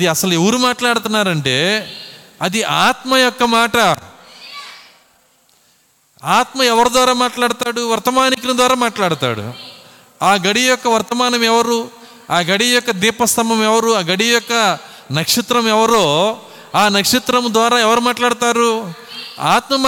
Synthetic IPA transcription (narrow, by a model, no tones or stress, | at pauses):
ɐd̪iɐsɐlueʋɾumaːʈlaːɽut̪unːaːɾɐɳʈe̞ː | ɐd̪iʔaːt̪mɐjɔkːɐmaːʈɐ | aːt̪mɐɛʋɐɾud̪ʋaːɾaːmaːʈlaːɽut̪aːɽuʋɐɾt̪ɐmaːnikɾɐmd̪ʋaːɾaːmaːʈlaːɽut̪a̰ːɽṵ | aːɡɐɽijɔkːɐʋɐɾt̪ɐmaːnɐmɛʋɐɾu | aːɡɐɽijɔkːɐd̪iːpɐst̪ʰɐmɐmɛʋɐɾuaːɡɐɽijɔkːɐ | nɐkʂit̪ɾɐmɛʋɐɾoː | aːnɐkʂit̪ɾɐmd̪ʋaːɾaːɛʋɐɾumaːʈlaːɽut̪aːɾu | a̰ːt̪mɐm